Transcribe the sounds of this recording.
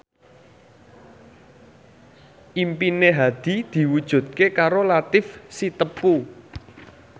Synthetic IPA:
ʔimpineɦad̪̥i̤d̪̥i̤wud̥ʒ̥ṳd̪̥̚kekaɾolat̪ɪfsit̪əpu

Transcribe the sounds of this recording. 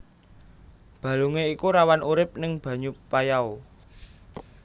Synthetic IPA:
b̥a̤luŋeikuɾawanʔuɾɪp̚nɪŋb̥a̤ɲupajao

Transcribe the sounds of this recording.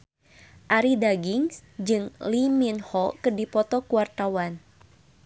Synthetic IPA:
ʔaɾidaɡiŋsd͡ʒɨŋliminhɔkɨrdipɔt̪ɔkuwart̪awan

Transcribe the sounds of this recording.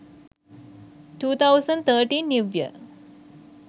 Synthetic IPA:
ʈuːt̪ʰawsəɳɖt̪ʰəʈĩːnːiʋjə̰

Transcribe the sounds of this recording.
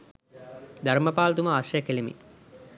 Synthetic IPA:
d̪aɾmɐpaːlɐt̪uməaʃɐjkelimḭ

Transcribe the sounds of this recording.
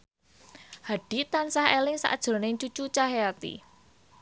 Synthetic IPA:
haɖ̥i̤t̪ansahelɪŋsa̰ʔd̥ʒ̥ʊ̤rnɪŋt͡ʃut͡ʃut͡ʃaɦeat̪ḭ

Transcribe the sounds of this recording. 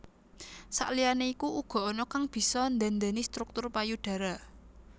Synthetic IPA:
sa̰ʔlijaneikuʔuɡ̥ɔ̤ɔnɔkaŋb̥i̤sɔnd̪and̪anist̪ɾuk̚t̪ʊrpajuɖ̥ä̤ɾa

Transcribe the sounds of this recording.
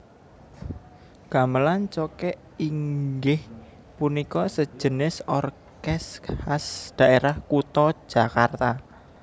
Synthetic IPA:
ɡ̥a̤məlant͡ʃɔkɛʔ | iŋɡɪh | punikɔsə̥ʒ̥ə̤nɪsɔr | kɛshasd̪̥a̤ʔeɾahkut̪ɔ̥ʒ̥a̤kart̪a

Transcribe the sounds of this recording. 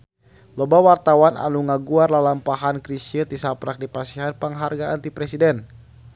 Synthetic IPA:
lɔbawart̪awanʔa̰nuŋaɡuarlalampaɦankɾisiət̪isapɾak̚dipasiɦanpaŋɦarɡaːnt̪ipɾɛsidɛn

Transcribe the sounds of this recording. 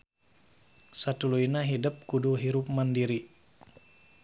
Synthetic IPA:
sat̪uluinaɦidəp̚kuduɦiɾup̚mandiɾi

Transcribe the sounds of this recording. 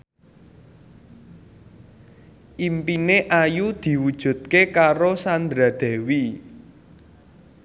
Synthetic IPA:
ʔimpineʔajud̪̥i̤wud̥ʒ̥ṳt̪̚kekaɾosand̪ɾad̪̥ɛ̤wi

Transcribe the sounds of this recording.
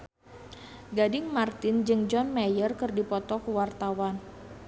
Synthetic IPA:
ɡadɪŋmart̪ɪnd͡ʒɨŋd͡ʒɔnmajərkɨrdipɔt̪ɔkuwart̪awan

